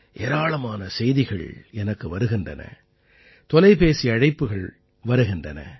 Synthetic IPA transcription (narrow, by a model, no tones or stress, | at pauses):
ʔɛːɾaːɭɐmaːnɐsɛjðɪɣɐ̰ɭɛnɐkːɯʋɐɾɯɣɪndrɐ̰nɐ̰ | t̪ɔlɐɪpeːsiɐɻɐɪpːɯɣɐɭ | ʋɐɾɯɣɪndrɐnɐ̰